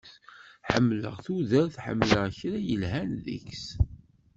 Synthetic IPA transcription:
θħəmːlə̰ʁθuðæɾθħə̰mːləʁçɾæjəlɦænðḭks

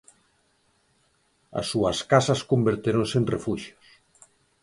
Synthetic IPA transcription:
ɐ̰sːuɐskasɐskombeɾt̪eɾonsenrefuʃjos

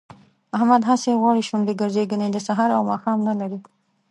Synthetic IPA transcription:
ahmad̪ɦaseɣwɑɽiʃʊɳɖiɡəɾzeɡəned̪əsaɦɑɾawmɑxɑmnalaɾi

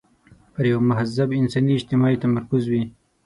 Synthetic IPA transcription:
pəɾjawmʊɦazabɪnsɑniɪd͡ʒt̪ɪmɑit̪amaɾkʊzwi

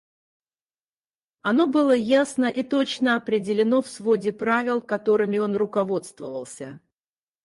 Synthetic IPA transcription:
ɐno̞bɨlˠəjasnəʔit̪o̞t͡ɕnəɐpɾʲɪdʲɪlʲɪno̞fsvo̞dʲɪpɾavʲɪlˠkɐt̪o̞ɾɨmʲɪo̞nrʊkɐvo̞t̪st̪vəvəlˠsʲə

